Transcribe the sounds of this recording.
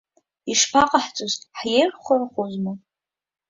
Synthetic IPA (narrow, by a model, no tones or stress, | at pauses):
iʂpʰaqʼaħt͡sʼozħjerχʷʊrχozmɨ